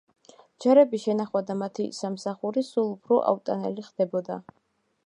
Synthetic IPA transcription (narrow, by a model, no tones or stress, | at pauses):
d͡ʒaɾɛbiʃɛnaχwad̪amat̪ʰḭsamsaχuɾisulˠupʰɾɔʔa̰ut̪ʼanɛliχd̪̥ɛbɔd̪a